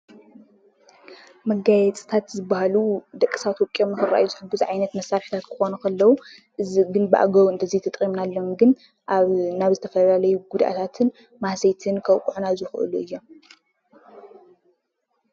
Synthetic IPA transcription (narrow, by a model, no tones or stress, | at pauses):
mɐɡajɛt͡sʼɨt̪ʰat̪zɨbːahalud̪ɐkʼːi̥sat̪ʰopʼijo̞mnɨxɨra̰juzɨħɨɡːuzʕajnɐt̪mɐsaɾħi̥t̪ʰat̪kʰɨxo̞nɐkɐlːɐwuʔɨziɡɨnbɨʔa̰ɡɐɾɨnt̪ʰɐzijt̪ʰɐt̪ʼɾʼimnalːo̞mɡɨn | ʔaβnaβzɨt̪ʰɐfɐlalɐjuɡud̪ʔa̰t̪ʰat̪ʰɨn | mahsɐjt̪ʰɨnkʰɐwkʼuʕunazɨxɨ̰ʔɨ̰luɨjːo̞m